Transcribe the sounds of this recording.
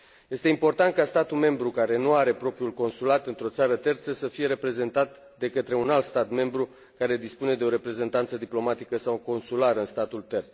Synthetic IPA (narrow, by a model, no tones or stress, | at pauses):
je̞st̪e̞impo̞rt̪ant̪̚kast̪at̪ulme̞mbɾukaɾe̞nuaɾe̞pɾo̞pɾiulko̞nsulat̪ɨnt̪ɾo̞t̪saɾət̪e̞rt̪səsəfije̞ɾe̞pɾe̞ze̞nt̪at̪ | d̪e̞kət̪ɾe̞unalt̪st̪at̪me̞mbɾu | kaɾe̞d̪ispune̞d̪e̞o̞ɾe̞pɾe̞ze̞nt̪ant̪səd̪iplo̞mat̪ikəsawko̞nsulaɾəɨnst̪at̪ult̪e̞rt̪s